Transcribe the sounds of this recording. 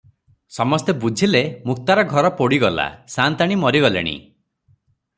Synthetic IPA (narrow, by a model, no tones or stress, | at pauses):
sɔmɔst̪ebud͡ʒʱilemuk̚t̪aɾɔɡʱɔɾɔpoɽiɡɔla̰sant̪aɽ̃imɔɾiɡɔlḛɽ̃ḭ